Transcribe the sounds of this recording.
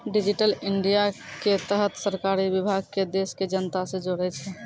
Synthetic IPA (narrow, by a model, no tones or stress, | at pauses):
ɖid͡ʒiʈəliɳɖijaket̪əɦət̪səɾkaɾibibʱaɡ̚ked̪esked͡ʒənət̪ased͡ʒoɽɛt͡ʃʰɛ